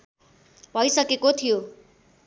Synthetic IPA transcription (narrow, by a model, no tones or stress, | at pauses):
bʱʌjsʌkekot̪ʰijo